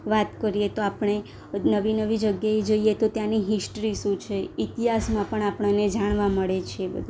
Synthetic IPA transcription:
ʋat̪kəɾiet̪oapɳ̃e | nəʋinəʋid͡ʒəɡjaed͡ʒəijet̪ot̪janiɦisʈɾiʃũt͡ʃʰeit̪iɦasmãpəɳapəɳ̃aned͡ʒaɽ̃ʋaməɭet͡ʃʰeebə̰d̪ʱu

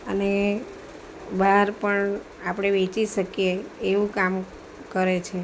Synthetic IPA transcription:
əne | baɾpəɳ | apɽ̃eʋet͡ʃiʃəkjeːʋũkam | kəɾet͡ʃʰe

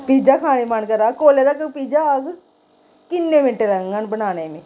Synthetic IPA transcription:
piːd͡ʒaːkʰaːneːmənkəɾaːkoːleːɾaːkəpiːd͡ʒaːəɡ | kɪnːẽːmɪɳʈeːɾəŋɡənbənaːneːmeː

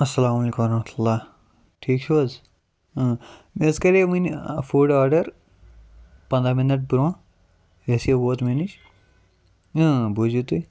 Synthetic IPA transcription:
ɐsːɐlaːmɐleːkũmɾɐmɐt̪ʰulːaː | ʈʰiːkt͡ʃʰoz | meskɐɾeminfuɖaːɾɖɐɾ | pɐ̃nd̪ɾaminɐʈ̚buɾõː | jesieboːt̪menit͡ʃ | bud͡ʒut̪u

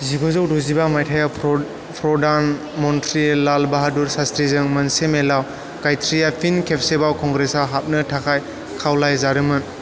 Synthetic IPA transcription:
ziɡɔzɔwduzibamajtʰaja | pʰɾɔdan | mɔntʰɾilalbaɦaduɾsastɾizɯŋmɐnsemelaw | kajtʰɾijapʰinkʰepʰsebawkʰɔŋɡɾesawɦap̚nɯtʰakʰaj | kʰawlajzaɾɯmɯn

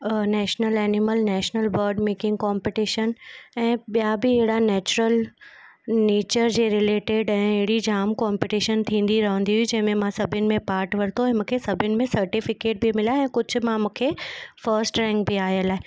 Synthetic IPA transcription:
nɛːʃnəlɛːnɪməlnɛːʃnəlbɐɾɖmeːkɪ̃ŋɡkɔːmpɪʈiʃənɛ̃ːɓijabɪɪɦɪɽanɛːt͡ɕʊɾəl | neːt͡ɕəɾd͡ʑeːɾɪleːʈeɖɛ̃ːɪɦɪɽid͡ʑaːmkɔːmpiʈiʃənt̪ʰĩːn̆d̪iɾɐɦə̃nd̪iɦʊid͡ʑɐ̃ɦɪ̃mẽmãsɐbʱɪnɪ̆mẽpaːɾʈʋɐɾt̪oɛ̃mũːkʰesɐbʱɪnɪ̆mẽsɐɾʈɪfɪkeːʈ̚bʱimɪlaɛ̃ːkʊd͡ʑʱʊ̆mãmũːkʰefəɾsʈɾɛ̃ŋk̚bʱiaːjəlaːɦe

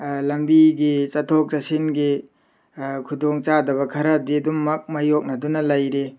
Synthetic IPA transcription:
lɐmbiɡit͡ʃɐtʰok̚t͡ʃɐsinɡi | kʰudoŋt͡ʃadɐβɐkʰɐɾɐdidumːɐk̚mɐjok̚nɐdunɐlɐjɾe

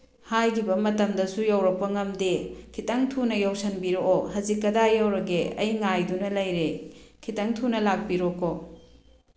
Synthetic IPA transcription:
hajkʰibɐmɐtɐmdɐsujɐwɾɐk̚pɐŋɐmdekʰitɐŋtʰunɐjɐwsɐnbiɾooɦɐzikːɐdajɐwɾɐɡeʔɐjŋajdunɐlɐjɾekʰitɐŋtʰunɐlak̚biɾoko

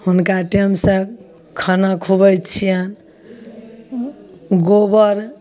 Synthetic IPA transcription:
hunkaʈemsə | kʰənakʰubət͡ʃʰijən | ɡobəɾ

